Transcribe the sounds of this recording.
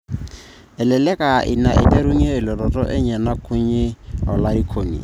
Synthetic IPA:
ɛ˨lɛ˨lɛ˦kʼa˨ʔɪ̰˨na˨ʔɪ̰˨dɛ˦ɾu˦ŋi˦ɛ˦ɪ˨lɔ˨ɾɔ˨tɔ˦ʔɪ˦ɲɛ˨na˦kʰʊ˦ɲɪ˦˨ɔ˨la˦ɾi˦kʰo˨ŋḭ˨

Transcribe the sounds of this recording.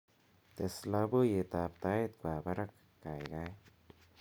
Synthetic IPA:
t̪e˨sla˦bo˦je˨t̪a˨p̚t̪a˦jt̪̚kʷa˨ba˦ɾa˦kːa˨jɡa˦j

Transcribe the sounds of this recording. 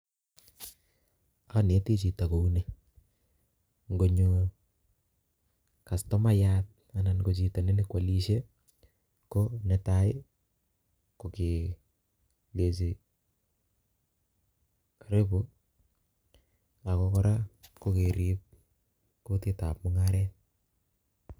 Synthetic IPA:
aka˦n˨e˨˦ti˦t͡ʃi˨ta˨ko˨u˦ne˦˨ | ŋɡo˨ɲu˨ | ka˨stɔ˦ma˦jat̚ | a˨na˨nko˨t͡ʃi˨ta˨ne˦ni˦kwa˨li˦ʃe˦ | konɛ˨taɪ˦ | ko˨ke˨ | le˨si˨ | aɾe˦pu | a˨kɔkɔ˦ɾako˦ke˨ɾip̚ | ko˦tita̰p̚mʊ˦ŋaɾɛt̚

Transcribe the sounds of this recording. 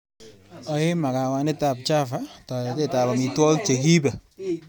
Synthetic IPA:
ɔ˨e˦ma˨ka˨wa˨nɪ˦ta˨p̚t͡ʃa˦fa˨tɔ˨te˦ta˨ba˨mi˨twɔ˦lt͡ʃe˨ki˦pa˨

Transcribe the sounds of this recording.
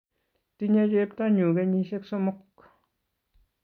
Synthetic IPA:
t̪i˦ɲa˦d͡ʒe˦pt̪a˦ɲu˨ɡe˦ɲi˧ʃe˦kso˦mo˦k

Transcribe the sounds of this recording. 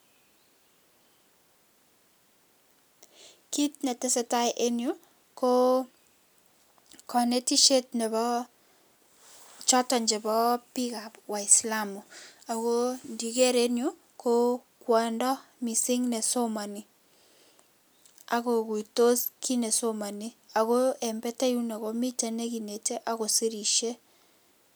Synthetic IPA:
ki˦tnɛ˨te˦sɛ˨ta˦jʔe˦njo˦ | ko˦ | kɔ˨ne˦ti˦ʃe˦tnɛ˨bɔ˦ | t͡ʃɔ˦tɔ˨ɲd͡ʒɛ˨bɔ˦pi˦ka˨pwa˨ɪ˨sla˦mʊ˨a˨ɣo˦ndi˨ɡe˦ɾe˦njo˦ | ko˦ | kwɛ˨ndɔ˦mi˨sɪ˦ŋnɛ˨so˦ma˨ni˨ | a˦ɣo˨ku˨i˨to˦ski˦nɛ˨so˦ma˨ni˦a˨ɣo˦ɛ˨mbɛ˦ta˦ju˦nɛ˨ɣo˦mi˦te˦ne˦ɡi˨ne˨te˦ʔa˦ɣo˨si˦ɾi˨ʃe˦

